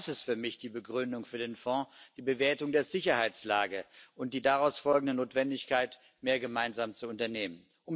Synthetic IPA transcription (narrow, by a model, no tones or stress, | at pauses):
sɪstfyːɐmɪçd̥iːbəɡʁʏndʊŋfyːɐdeːnfɔ̃ːd̥iːbəveːɐtʊŋdeːɐzɪçɐhaɪt͡slaːɡəʔʊnt̚d̥iːdaʁaʊsfɔlɡŋ̩dənoːtv̥ɛndɪçkaɪt | meːɐɡəmaɪnzaːmt͡suʊntɐneːmən | ʔʊm